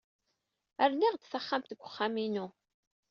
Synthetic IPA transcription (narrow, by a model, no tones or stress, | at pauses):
æɾniʁd̪θaχːamt̪ɡʷːəχːaminu